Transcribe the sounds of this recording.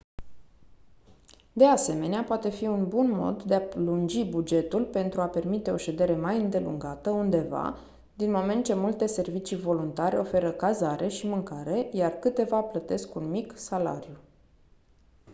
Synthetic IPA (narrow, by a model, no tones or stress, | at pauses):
d̪e̞ase̞me̞neapoat̪e̞fiunbunmo̞̰d̪ːe̞aplund͡ʒibud͡ʒe̞t̪ulpe̞nt̪ɾuape̞rmit̪e̞o̞ʃe̞d̪e̞ɾe̞majɨnd̪e̞lṵŋɡat̪əund̪e̞va̰ | d̪inmo̞me̞nt̪̚t͡ʃe̞mult̪e̞se̞rvit͡ʃivo̞lunt̪aɾeofe̞ɾəkazaɾʔe̞ʃimɨŋkaɾe̞jarkɨt̪e̞vaplət̪e̞skunmiksala̰ɾju